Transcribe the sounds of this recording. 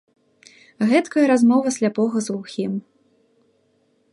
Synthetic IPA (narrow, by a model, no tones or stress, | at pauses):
ɣɛt̪kɐjɐɾazmɔvɐsʲlʲapɔɣɐzuxʲim